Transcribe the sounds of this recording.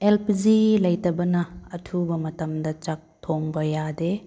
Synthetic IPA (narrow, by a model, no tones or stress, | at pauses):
elpʰizilɐjtɐbɐnɐːtʰubɐmɐtɐmdɐt͡ʃak̚tʰoŋbɐjade